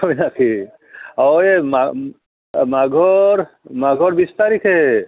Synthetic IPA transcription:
ɦojnakʰi | aema | maɡʱɔɾ | maɡʱɔɾbist̪aɾikʰe

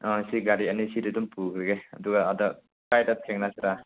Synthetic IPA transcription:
ɔ̃siɡaɾianisidɯdumpukɾɯɡeaduɡaːdɔ | kajtat̚ʰɛŋnasiɾa

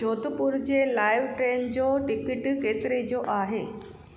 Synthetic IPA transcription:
ot̪puɾd͡ʑelajʋʈɾend͡ʑoʈikiʈket̪ɾed͡ʑoʔaɦe

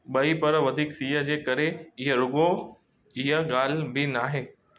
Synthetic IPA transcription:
ɓɐipɐɾʋɐd̪ʱiːksiːɦəd͡ʑeːkɐɾeɪɦəɾʊɠo | ɪɦəɠaːlbɪnaːɦeː

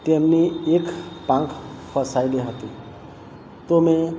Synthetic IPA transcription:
t̪emniekpãŋkʰpʰəsajleɦot̪i | t̪ome

